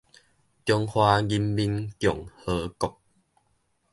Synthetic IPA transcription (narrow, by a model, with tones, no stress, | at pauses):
tjɔ˧ŋhwa˧ɡi˦mbi˦nkjɔ˨˩ŋhə˧˦kɔ˨˩k̚